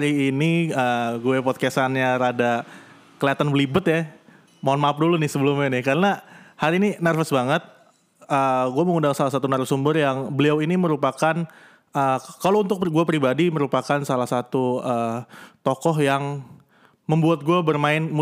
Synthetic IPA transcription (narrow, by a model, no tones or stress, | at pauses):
haɾiːniəɡuɛpɔt̪̚kasanɲaɾada | kəliat̪anbəlibət̪ja | maanmap̚dulunɪhsəbəlʊmɲanɪhkaɾənahaɾiininərfəsbaŋət̪̚ | əɡuaməŋundaŋsalahsat̪unərfəsumbərjaŋbəliawiniməɾupakan | əːkalount̪ʊk̚ɡuapɾibadiməɾupakansalahsat̪uəːt̪ɔkɔɦjaŋ | məmbuat̪̚ɡuabərmaɪnm